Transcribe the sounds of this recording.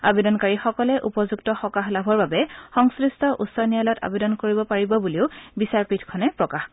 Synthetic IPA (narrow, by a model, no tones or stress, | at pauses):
a̰bedɔnkaɹixɔkɔlɛʔupɔzuktɔxɔkaxlabʱɔɹbabɛxɔŋsɹistɔʔusːɔɹnijalɔta̰bedɔnkoɹibɔpaɹibɔbuliʊbisaɹpitʰkʰɔnɛpɹɔkax